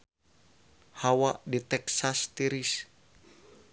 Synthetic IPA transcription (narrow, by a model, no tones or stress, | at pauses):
hawaʔdit̪ɛksast̪iɾis